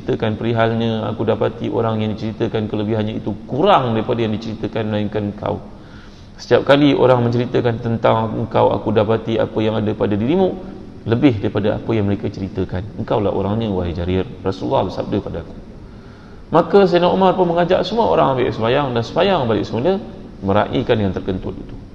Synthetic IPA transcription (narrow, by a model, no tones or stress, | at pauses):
əit̪əkanpəɾiɦalɲə̃a̰kudapat̪iʔo̰ɾaŋjaŋdit͡ʃəɾit̪əkankələbɪɦanɲãit̪ukuɾaŋdaɾipadajaŋdit͡ʃəɾit̪əkanməlaiŋkanəŋkʰa̰w | sə̥t̪ijap̚kalio̰ɾaŋmə̃ɲt͡ʃəɾit̪əkant̪ənt̪aŋəŋkawa̰kudapat̪ia̰pəjaŋadapadadiɾimuʔ | ləbɪɦdaɾipadaʔa̰pəjaŋməɾekat͡ʃəɾit̪əkanəŋkawla̰ɦʔo̰ɾaŋɲə̃waɦid͡ʒaɾɪrrasuulːahbəsa̰b̚dəpadaaku̥ | makəs̬ainaʔumarpəməŋad͡ʒaʔsəmuao̰ɾaŋaba̰ʔsəmajaŋdansəmajaŋbalɪ̰ʔsəmulə | mə̃ɾa̰ʔḭkanjaŋt̪ərkənt̪ʊ̰t̪it̪u̥